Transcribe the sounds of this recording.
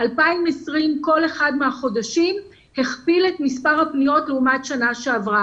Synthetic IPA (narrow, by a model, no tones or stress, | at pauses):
alpaimesʁimko̞le̞χadmehaχo̞daʃim | heχpiletmispaʁhapnijo̞tleumatʃanaʃe̞avʁa